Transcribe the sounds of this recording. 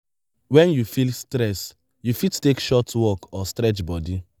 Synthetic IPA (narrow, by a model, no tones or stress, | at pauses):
wɛ̃njufilstɾɛs | jufittekʃɔtwɔkɔstɾɛt͡ʃbɔdi